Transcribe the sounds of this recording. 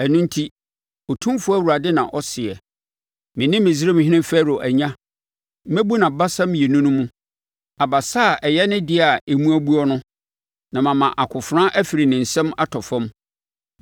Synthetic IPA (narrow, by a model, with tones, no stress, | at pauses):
æ˨nũ˦n˦tʰi˦ | o˨tʰũ˦fʊ˦æ˦wu˨ɾa˨dɪ˦nã̰˨ʔɔ˦sɪ˨ɛ˨ | mɪ̃˨nɪ̃˦mːɪ̃˨zi˦ɾe˦mɪ̃˨ɦɪ̃˦nɪ̃˦fæ˦ɾo˨ʔæ˨ɲã˦ | m̩˦mæ˦bu˦nã˨ba˦sã˦m̃˦jɛ˨nũ˦nʊ̃˦mũ˦ | a˨ba˨sa˦˨ʔɛ˨jɛ˦nɪ̃˦dɪ˦a˨e˨mũ˦æ˦bu˦ɔ˦nʊ̃˦ | nã˨mã˨mã˨ʔa˨kʰʊ˨fɾã˦ʔæ˦fi˨ɾi˨nɪ̃˨n̩˨sɛ̃˦ma˦tʰɔ˨fɔ̃˦m